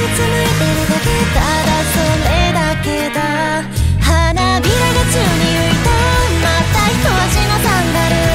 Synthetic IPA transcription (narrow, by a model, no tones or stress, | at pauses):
ɯt͡sɨmɯɾet̪e̞ɾɯ̟d̪ake̞t̪a | d̪asõnd̪ed̪ake̞d̪a | hanamʲiɾaɡat͡ɕɨːɲ̟ijoit̪omat̪açi̥t̪o̞βaɕinat̪ãnd̪aɾɯ̟